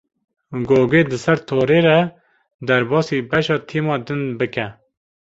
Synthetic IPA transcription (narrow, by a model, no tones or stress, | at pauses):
ɡoːɡeːd̪ɨsɛɾt̪ʰoːɾeːɾɛ | d̪ɛɾbɑːsibɛʃɑːt̪ʰiːmɑːd̪ɨnbɨkɛ